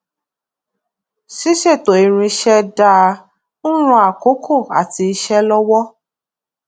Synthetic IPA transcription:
ʃi˦ʃe˦˨to˨i˨ɾ̃ũ˧ʃɛ˦da˦˧ | u˦ɾ̃ũ˧˦a˨ko˨˦kʰo˦˨a̰˨ti˧i˧ʃɛ˦lɔ˦wɔ˦

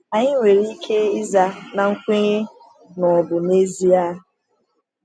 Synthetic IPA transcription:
a˨ɲɪ˦ŋʷe˨ɾi˦kʰe˦ɪ˦za˨na˨ŋ̩˦kʷe˦ɣe˦ | nɔ˨bʊ˨ne˦zi˦a˦

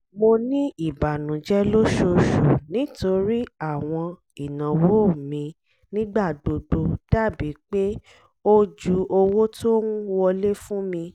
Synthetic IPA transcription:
mo˧nĩ˦i˦˨ba˨nũ˨˦d͡ʒɛ˦lo˦ʃo˧ʃu˨nĩ˨˦to˧ɾi˦a˦˨w̃ɔ̃˧ | i˨nã˨wo˦˨mĩ˧ | nĩ˦ɡ͡ba˦˨do˧do˧d̥a˦˨bi˨˦k͡pe˦ | o˦d͡ʒu˨˦o˧wo˦to˦ũ˦wɔ˧le˦fũ˦mĩ˧

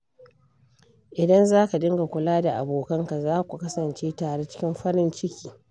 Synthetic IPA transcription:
ʔɪ˨dɐ˦nzaː˦ka˨dɪ˦ŋɡa˨kʷʊ˨laː˦da˨ʔa̰˨boː˨kɐ˦ŋka˨zaː˦kʷu˨kɐ˦sɐ˨nt͡ʃeː˦taː˨ɽe˦t͡ʃɪ̥˦kʲɪ˦mɸɐ˦ɽɪ˦nt͡ʃɪ˦kʲiː˨

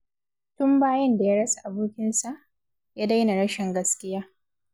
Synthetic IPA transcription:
tʊ˦mbaː˦jɐ˦nda˨jaː˦ɽɐ˦sa˨ʔa˨buː˦kʲɪ˦nsa˨ʔ | jaː˦da˦jna˨ɽɐ˦ʃɪ˨ŋɡɐ˦skʲɪ˦jaː˦

